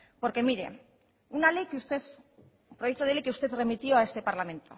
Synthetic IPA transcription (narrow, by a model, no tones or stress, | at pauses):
po̞ɾke̞miɾe̞̰ | unale̞jkeust̪e̞s | pɾoje̞k̚t̪oðelejkeust̪e̞ðre̞mit̪io̞ae̞st̪e̞paɾlamẽ̞nt̪o̞̰